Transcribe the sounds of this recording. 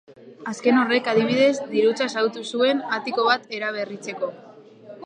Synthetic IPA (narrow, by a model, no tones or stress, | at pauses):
aske̞no̞re̞kað̞iβ̞iðe̞zd̪iɾut͡sasawt̪usue̞nat̪iko̞β̞at̪e̞ɾaβ̞e̞rit͡se̞ko̞